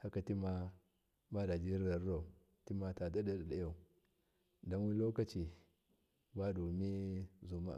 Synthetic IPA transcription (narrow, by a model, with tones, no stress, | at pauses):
ha˦ka˨ti˦ma˦ | ba˦da˨d͡ʒi˦ɾɾa˨ɾa˨u˨ | ti˦ma˨ta˨da˦da˦da˨da˦˨ja˨u˨ | da˦nwi˦lo˦ka˦˨t͡ʃi˨ | ba˦du˨mi˦zu˨ma̰˨